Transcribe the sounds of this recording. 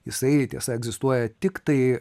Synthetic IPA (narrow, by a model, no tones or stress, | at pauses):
jɪsɐɪt̪ʲiɛsɐɛɡzʲɪst̪uɔjɛt̪ʲɪkt̪ɐɪ